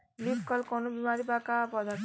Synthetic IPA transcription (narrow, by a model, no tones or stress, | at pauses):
libkʌlkɔnubimaɾibakapʌd̪ʱa